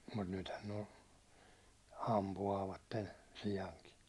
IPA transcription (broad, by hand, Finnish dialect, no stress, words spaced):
mut nythæn nĕ o ɑmpuɑːʋɑtːen̞ siɑŋki